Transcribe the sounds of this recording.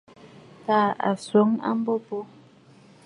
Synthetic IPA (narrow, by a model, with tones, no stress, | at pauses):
taː˦˨a̰˨swo˨˦ŋa̰˦m˦bo˦po˦